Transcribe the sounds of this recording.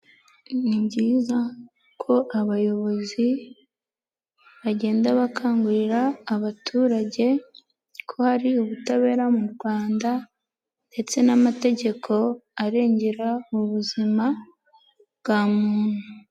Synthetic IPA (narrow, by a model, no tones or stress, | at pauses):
niɲɟiːza | kʰo̞ʔaβajo̞βo̞zi | βaɟe̞ːndaβakʰaːŋɡuɾiɾaːβatʰuːɾaɟe̞ | kʰo̞haɾiuβutaβe̞ːɾamuɾɡwaːnda | nde̞t͡se̞namate̞ɟe̞kʰo̞aɾe̞ːɲɟeɾauβuzima | bɡaːmuːn̥hu